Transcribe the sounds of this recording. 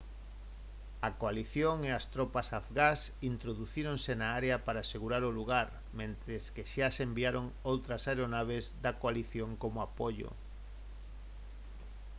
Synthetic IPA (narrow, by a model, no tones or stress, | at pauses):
ɐkoaliθjoŋeast̪ɾɔpasafɣasint̪ɾoðuθiɾoŋsenaaɾeɐpaɾaːseɣuɾaɾoluɣaɾ | mẽnt̪ɾeskeʃasembiaɾoŋowt̪ɾɐsajɾonaβezðakoaliθjoŋkomoapoʎo̰